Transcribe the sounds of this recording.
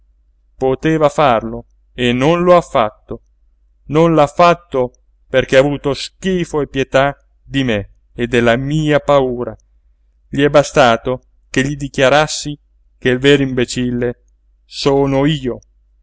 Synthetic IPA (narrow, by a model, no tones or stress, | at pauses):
pot̪eːvafarlo | enːonloafːat̪ːo | nonlafːat̪ːo | perk̟eaːvuːt̪osk̟iːfoepːjet̪a | d̪ime | ed̪elːamiːapauːɾa̰ | ʎiɛbast̪aːt̪o | keʎːid̪ikjaɾasːi | keilveːɾoimbet͡ʃilːe | soːnoiːo